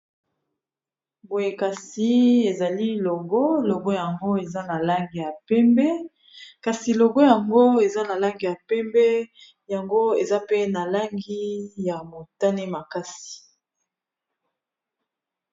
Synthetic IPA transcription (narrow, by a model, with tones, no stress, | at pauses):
bo˨je˨ka˨si˨e˨za˨li˦lo˨ɡo˦lo˨ɡo˦ja˨ŋɡo˦e˨za˦na˨la˦ŋɡi˨ja˨pɛ˦mbɛ˦ | ka˨si˨lo˨ɡo˦ja˨ŋɡo˦e˨za˦na˨la˦ŋɡi˨ja˨pɛ˦mbɛ˦ | ja˨ŋɡo˦e˨za˦pe˦na˨la˦ŋɡi˦ja˨mo˨ta˦ne˦ma˨ka˦si̥˨